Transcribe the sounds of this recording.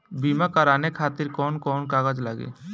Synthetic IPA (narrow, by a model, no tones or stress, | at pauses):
biːmakɐɾaːnekʰaːt̪ɪɾkɔːnkɔːnkaːɡad͡ʒlaɡḛː